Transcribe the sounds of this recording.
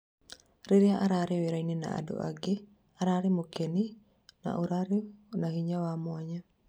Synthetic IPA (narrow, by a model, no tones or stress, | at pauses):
ɾiɾiaʔaɾaɾeweɾainena̰a̰do̰ʔa̰ɡe | aɾaɾemokeni | na̰ʔuɾaɾenahiɲawamwaɲa